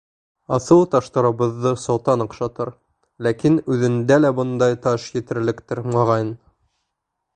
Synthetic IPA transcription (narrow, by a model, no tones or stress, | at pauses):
ɑθɤw̪ˠt̪ɑʃt̪ɑɾɤ̆βɤ̆ðːɤsɑwt̪ɑnɤ̆qʃɑt̪ɤɾ | lækinʉðɘ̆nd̪ælæbɤ̆nd̪ɑjt̪ɑʃjɘ̆t̪ɘ̆ɾlɘ̆kt̪ɘɾmɑʁɑjn